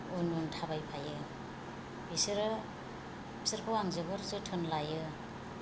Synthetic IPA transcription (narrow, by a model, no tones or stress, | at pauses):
ununtʰabajpʰajɯ | bisiɾɯ | bisiɾpʰɯwaŋzɯbɯɾzɯtʰɯnlajɯ